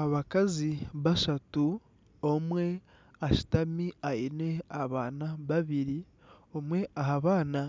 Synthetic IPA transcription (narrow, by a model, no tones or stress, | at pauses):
haβakaziβaʃatu | omwe̞ | aʃi̥tamiaine̞aβaːnaβaβiɾi | omwe̞ahaβaːna